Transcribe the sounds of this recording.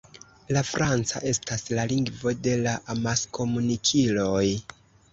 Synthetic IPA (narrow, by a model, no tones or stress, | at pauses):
lafɾant͡sa̰ʔe̞staslaliŋɡvo̞de̞laʔamasko̞munikʰilo̞j